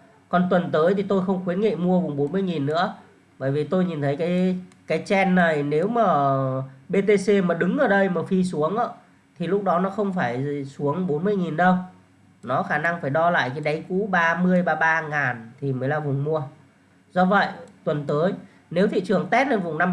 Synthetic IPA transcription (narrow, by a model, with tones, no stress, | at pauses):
kɔ˨˩nt̪wə˨˩nt̪əː˨˦jt̪ʰi˨˩t̪o˧jxə˧wŋ͡mxwi˨˦ənŋḭ˧˨mu˧əvʊ˨˩ŋ͡mɓo˨˦nmɨ˧əjŋi˨˩nːɨ̰˧˥ə | ɓəː˧˩jvi˨˩t̪o˧jɲi˨˩nt̪ʰə˨˦jkaː˨˦jkaː˨˦jt͡ɕɛ˧nːa˨˩jne˨˦wmaː˨˩ | ɓe˧t̪e˧se˧maː˨˩ɗɨ˨˦ŋʔəː˨˩ɗə˧jmaː˨˩fi˧su˨˦əŋʔəː˧˨˦ | t̪ʰi˨˩lʊ˦˥k͡p̚ɗɔ˨˦nɔ˨˦xə˧wŋ͡mfaː˧˩jsu˨˦əŋɓo˨˦nmɨ˧əjŋi˨˩nɗə˧w | nɔ˨˦xaː˧˩na˧ŋfaː˧˩jɗɔ˧la̰ː˧˨jkaː˨˦jɗa˨˦jkṵ˧˥ɓaː˧mɨ˧əjɓaː˧ɓaː˧ŋaː˨˩nt̪ʰi˨˩məː˨˦jlaː˨˩vʊ̰˨˩ŋ͡mmu˧ə | zɔ˧və̰˧˨jt̪wə˨˩nt̪əː˨˦j | ne˨˦wt̪ʰḭ˧˨t͡ɕɨ˨˩əŋt̪ɛ˦˥t̚ne˧nvʊ̰˧˨ŋ͡mna˧m